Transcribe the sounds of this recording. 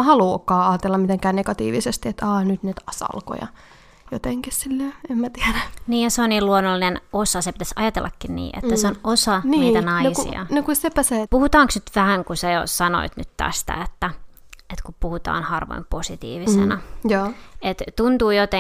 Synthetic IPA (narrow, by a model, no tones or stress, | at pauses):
hɑluːokːɑːɑːt̪elːɑmmit̪eŋkæːneɡɑt̪ḭːʋisest̪iet̪ɑːnyt̪nit̪ɑsɑ̰lko̰jɑ̰ | jot̪eŋkissilːeemmæt̪iæɾæniːjjɑseonniːlluonːolːinenosɑsepi̥t̪æsʔɑjɑt̪elːɑkːinnḭːʔḛt̪ːæseonosɑninːiːt̪ænɑisuḭɑ̰nokusepæsepuhut̪ɑːŋksnyt̪ʋæhæŋkusɑjo̰sɑno̰it̪nyt̪t̪æ̰st̪æ̰et̪ːæ | et̪kupuhut̪ɑ̰ːnhɑrʋo̰imposit̪ḭːʋisḛnɑjɑːet̪t̪unt̪uːjot̪e